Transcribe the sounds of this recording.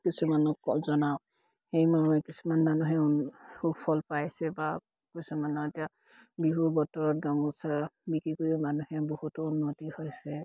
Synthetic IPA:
kisumanɔkɔzɔnaw̃ | hejmanuɛkisumanmanuɦɛhupʰɔlpajsɛba | kusumanɔetija | biɦubɔtɔɹɔt̚ɡaŋɡɔsabikɹikojiumanuhɛbohutɔunːotihɔjsɛ

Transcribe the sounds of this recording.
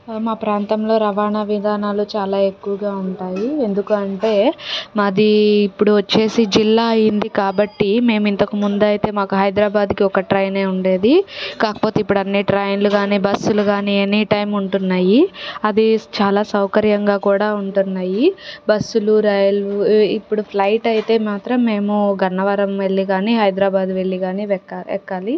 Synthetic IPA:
maːpɾaːnt̪ɐmlo̞ːɾɐʋaːnaʋid̪ʱaːnaːlut͡ʃaːlaːe̞kːuʋɐɡaːuɳʈaːjie̞nd̪ukuɐɳʈe̞ːmɐd̪iːpːuɽuʋɐt͡ʃːe̞ːsid͡ʒilːaːɐjind̪ikaːbɐʈːime̞ːmint̪ɐkumund̪ɐjit̪e̞ːmaːkuɦɐjd̪ɾaːbaːd̪kiɔkɐʈɾɐjne̞ːuɳɖe̞ːd̪ikaːkɐ̥po̞ːt̪eipːuɽɐnːiʈɾɐjnluɡaːniːbɐsːuluɡaːnienːiʈɐjmuɳʈunːaːjiɐd̪it͡ʃaːlaːsɐwkɐɾjɐŋɡaːkuːɽaːuɳʈunːaːjibɐsːuluɾaːjɐlipːuɽupʰlɐjʈɐjit̪e̞ːmaːt̪ɾɐmːe̞ːmuɡʱɐnːɐʋɐɾɐmʋeɭːiɡaːniːɦɐjd̪ɾaːbaːd̪ʋe̞ɭːiɡaːniːʋɛkːaɛ̰kːaːli

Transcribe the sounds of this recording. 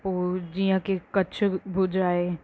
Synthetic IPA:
oːd͡ʒijãkekɐtːʃʰbʱud͡ʒɾaːe

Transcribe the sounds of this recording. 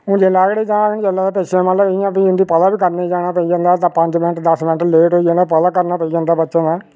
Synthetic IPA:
mũːd͡ʒeːlaːɡɽeːd͡ʒãːnd͡ʒelaːd̪aːpeʃẽmət̪ləbãːpiːɪnd̪iːpəd̪aːbiːkəɾneːd͡ʒaːɽ̃aːpəiːd͡ʒãːnd̪aːt̪ãːpəɲd͡ʒmɪnəʈd̪əsmɪnəʈleːʈoːid͡ʒãːnd̪aːpəd̪aːkəɾnaːpəiːd͡ʒãːnd̪aːbətːʃãːnaː

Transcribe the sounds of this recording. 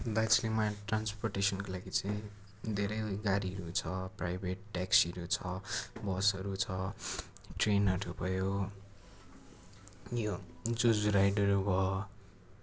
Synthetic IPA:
d̪at͡slimaʈransporʈesʌnkolaɡit͡saĩ | d̪ʱeɾʌjɡaɾiɦʌɾut͡sʰʌprajbʱeʈʈaksiʌɾut͡sʰʌbʌsʌɾut͡sʰʌ | ʈrenmaʈʰupʌjo | jod͡zud͡zuɾajɖʌɾubʱʌ

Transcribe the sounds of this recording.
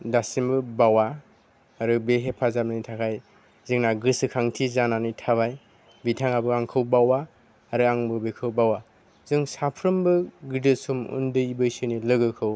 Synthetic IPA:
dasimbɯbawa | aɾɯbeɦepʰazamɯnitʰakʰaj | zɯŋnaɡɯsɯkʰaŋtʰizananitʰaβaj | bitʰaŋabɯaŋkʰɯwbawa | aɾɯaŋbɯbekʰɯwbawa | zɯŋsapʰɾɯmbɯɡidɯsumṵndɯjbɯjsɯnilɯɡɯkʰɯw

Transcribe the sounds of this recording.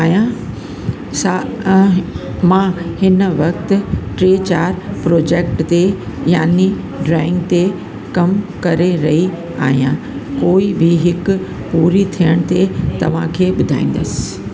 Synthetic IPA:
aːɦijã | sã | mãːhɪnʋɐkt̪ɪ̆ʈɾeːt͡ɕaːɾpɾoːd͡ʑeːk̚ʈt̪ejaːni | ɖɾaːɪ̃ŋɡt̪e | kɐmkɐɾeɾɐɦi | a̰ːɦijã̰ | koːibʱɪɦɪkʊ | puːɾit̪ʰijəɽ̃t̪et̪ɐʋ̤ã̰kʰeːɓʊd̪ʱa̰ːĩːn̆d̪əsɪ̥

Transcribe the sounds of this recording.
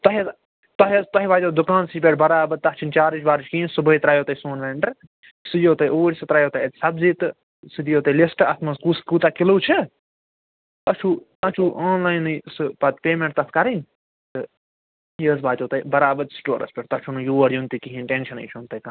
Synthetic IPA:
t̪ɐɦt | t̪ɐɦt̪ɐɦiʋaːd͡ʒʲod̪ukãːnsip̬ʲeʈbɐɾaːbɐɾt̪ɐt͡ʃʰint͡ʃaːɾit͡ʃʰʲbaːɾt͡ʃʰkiinsubɐit̪ɾaːjoːt̪ɐjsoːnʋeːɳɖɐɾ | sɨjoːt̪ɐjʔoːɾʲsɨt̪ɾaːjoːt̪ɐjɐt̪ʲsɐbziːt̪ɨ | sɨd̪ijoːt̪ɐlisʈɐt̪ʰmɐskuskuːt̪akiluːt͡ʃʰɨ | tɐt͡ʃʰuː | ɐt͡ʃʰuːʔaːnlaːjnɨsɨpɐt̪peːmẽɳʈ̚t̪ɐt̪kɐɾin | t̪ɨ | jəːsbaːd͡ʒ̪ʲoːt̪ɐjbɐɾaːbɐd̪sʈo̰ːɾɐ̰spʲeʈt̪ɐt͡ʃʰunujuːɐɾjunt̪ikiɦĩnʈẽːnʃɐnɐ̰jt͡ʃʰunt̪ɐjka

